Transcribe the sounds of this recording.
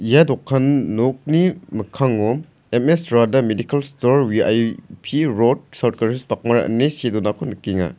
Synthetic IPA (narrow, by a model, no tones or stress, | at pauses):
ijadɔkʰːanːok̚nimɐkʰaŋo | emesɾadamedikɐlstoɾwia̰jpʰiɾod̚sawt̚kɐɾispak̚mɐɾa̰ʔɐ̰nesedunakʰɔnkiŋa̰